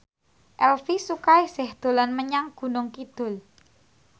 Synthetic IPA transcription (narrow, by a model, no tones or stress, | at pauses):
ʔɛlfisukaisɪhd̪̥o̤lanməɲaŋɡ̥ṳnʊŋkid̪̥ʊ̤l